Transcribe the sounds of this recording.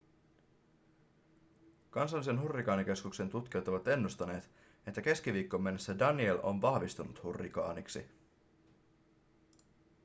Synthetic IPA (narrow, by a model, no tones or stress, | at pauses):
kɑnsɑlːise̞nɦurːikɑːnik̟e̞skukse̞nt̪ut̪k̟iot̪oʋɑt̪e̞nːust̪ɑne̞ːt̪ | e̞t̪ːæke̞skiʋiːkːo̞mːe̞nːesːædɑnie̞lʔo̞̰nʋɑhʋist̪unut̪hurːḭkɑ̰ːniksḭ